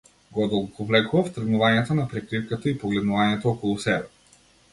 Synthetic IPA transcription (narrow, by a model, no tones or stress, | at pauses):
ɡɔɔd̪ɔlˠɡokɔvlɛkuvaft̪r̩ɡnuvaɲɛt̪anapɾɛkɾifkat̪aipɔɡlɛd̪nuvaɲɛt̪ɔɔkɔlˠusɛbɛ